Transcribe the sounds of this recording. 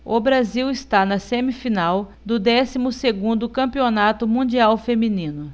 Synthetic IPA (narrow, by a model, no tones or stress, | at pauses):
ʊbɾaziwɪst̪anɐsẽmifinaw | d̪ʊd̪ɛsimʊseɡũnd̪ʊkɐ̃mpionat̪ʊmũd͡ʒiawfemĩnĩnʊ